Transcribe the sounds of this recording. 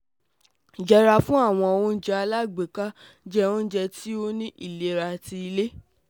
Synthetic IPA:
d͡ʒɛ˧ɾa˧fũ˦a˦˨w̃ɔ̃˧o˧wũ˧˦d͡ʒɛ˧a˧la˦˨ɡ͡be˨ka˦ | d͡ʒɛ˧ũ˦d͡ʒɛ˧ti˦o˦nĩ˦ʔi˦˨le˦ɾa˧ti˧i˧le˦

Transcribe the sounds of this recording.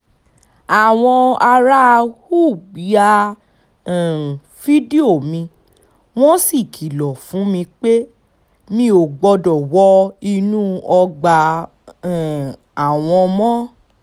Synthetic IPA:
a˨w̃ɔ̃˧a˧ɾa˦˧hu˦˨ɡ͡bi˨˦a˧ | ɛ̃˨ | fi˦di˦o˦˨mĩ˧ | w̃ɔ̃˦si˦˨kʰi˨lɔ˨fũ˨˦mĩ˧k͡pe˦ | mĩ˧˦o˨ɡ͡bɔ˧dɔ˨wɔ˦i˧nũ˦ɔ˧ɡ͡bã˧˨ | a˨w̃ɔ̃˧mɔ̃˦

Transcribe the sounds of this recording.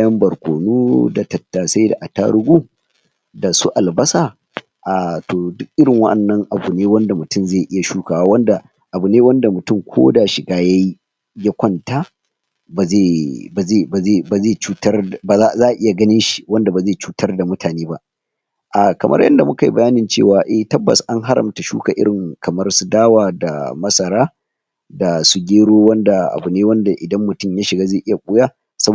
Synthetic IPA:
jɐ˦mbɐ˨rkʷoː˨nu˦da˨tɐ˨tːaː˨sa˦jda̰˨ʔa˨ta̰ː˦ɽʊ˦ɡʷuː˦ | da˨su˦ʔa˨lbɐ˦sa˨ | ʔaː˨toː˨dʊ˦k̚ʔɪ˦ɽɪ˨ŋwɐ̰˦ʔɐ˨nːɐ˦ŋʔa˨bu˨neː˦wɐ˦nda˨mʊ˨tʊ˦˨mzeː˦˨ʔɪ˦ja˨ʃuː˦kaː˨waː˦wɐ˦nda˨ | ʔa˨bu˨neː˦wɐ˦nda˨mʊ˨tʊ˦mkʷʰo̰ː˦da˨ʃɪ˨ɡaː˦ja˦ji˦ | ja˦kʷɔ˦nta˦ | ba˨zeː˦˨ba˨zeː˦˨ba˨zeː˦˨ba˨zeː˦˨t͡ʃuː˦tɐ˦rbaː˨zaː˦˨zaː˦ʔʔɪ˦ja˨ɡɐ˦nɪ˦nʃi̥˨wɐ˦nda˨ba˨zeː˦˨t͡ʃuː˦tʰɐ˦rda˨mʊ˦tʰaː˨neː˦ba˦ʔ | ʔa˨kɐ˨mʔɐ̰˦rjɐ̰˦nda˨mʊ˦ka˨jḭ˦bɐ˨jaː˦nɪ˨nt͡ʃḛ˦˨waː˨ʔɛ˨htɐ˦bːɐ̰˨sʔa˦ŋɦa˦ɾɐ̰˨mta˨ʃṵː˦ka˨ʔɪ˦ɽɪ˨ŋkʰɐ˨mɐ˦rsu˦daː˦waː˨da̰˨mɐ˦sɐ˨ɾaː˦ | da˨su˦ɡʲeː˦ɽoː˦wɐ˦nda˨ʔa̰˨bʊ˨neː˦wɐ˦nda˨ʔɪ˨dɐ˦mːʊ˨tʊ˦˨mja˦ʃɪ˨ɡaː˦zeː˦˨ʔɪ˦ja˨kʷʼʊ˦jaː˦ | sɐ˦b

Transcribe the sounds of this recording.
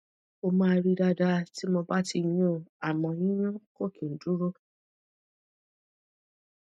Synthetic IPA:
o˧mãː˦˧ɾi˦˧da˧da˧ti˦mo˧ba˦ti˧jũ˦˨a˨mɔ̃˧jĩ˦jũ˦ko˦˨kĩ˨n̩˨˦du˨˦ɾo˦

